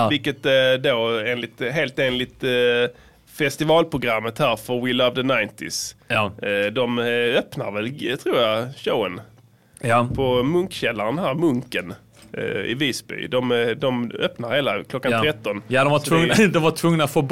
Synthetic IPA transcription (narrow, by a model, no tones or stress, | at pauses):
vɪlkət̪ɛd̪oːeːnlɪt̪ɦeːlt̪eːnlɪt̪ | fɛst̪ɪvɑːlpʰɾʊɡɾamːət̪hæːɾfœɾvɪlʌvd̪ənaɪnt̪ɪs | d̪ɔmœpnaɾvɛlt̪ʰɾuːɾjaɕəʊən | pʰɔmɵŋkɕɛlːaɾnɦæːɾmɵŋkən | ɪ̰viːsbʏ̰ːd̪ɔmd̪ɔmœpnaɾheːlakʰlɔkːant̪ʰɾɛt̪ːɔnd̪ɔavɵd̪ɔmvaʈʰvɵŋnat̪foːb